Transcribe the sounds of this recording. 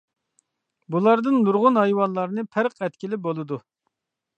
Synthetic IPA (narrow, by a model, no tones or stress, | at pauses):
bulˠɑɾd̪ɨnːuɾʁʊnɦɑjwɑnlˠɑɾnɨpʰɛɾqʰɛt̪kʲilɪbolˠɨd̪u